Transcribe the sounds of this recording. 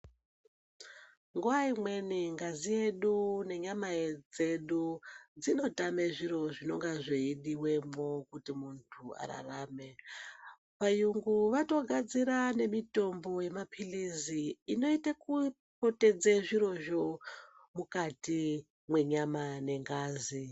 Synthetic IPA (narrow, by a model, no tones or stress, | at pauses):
ŋɡuwaimwe̞niŋɡazije̞ɗune̞ɲamaed͡ze̞ɗud͡zino̞tame̞ʐiɾo̞ʐino̞ŋɡaʐeiɗiwe̞mokutimuntʰua̰ɾa̰rame̞ | pajuŋɡuʋato̞ɡʱad͡ziɾane̞mito̞mbo̞je̞mapʰiliziːno̞itaku | po̞te̞d͡zeʐiɾo̞ʒo̞ | mukati | mwe̞ɲamane̞ŋɡaːzi